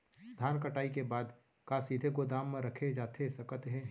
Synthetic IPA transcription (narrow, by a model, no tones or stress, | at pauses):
d̪ʱaːnkəʈaːikebaːd̪ | kasiːd̪ʱekod̪aːmːẽɾɐkʰed͡ʒaːt̪ʰesɐkət̪ɦɛ̃